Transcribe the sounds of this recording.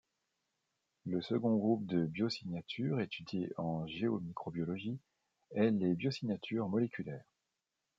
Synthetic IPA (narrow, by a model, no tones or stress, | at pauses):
ləsəɡɔ̃ɡʁup̚d̪əbjɔsiɲjat̪ʰyʁet̪ʰyd̪jeɑ̃ʒeomikχɔbjɔlɔʒi | ɛlebjɔsiɲjat̪ʰyʁmɔlekʲʰylɛːʁ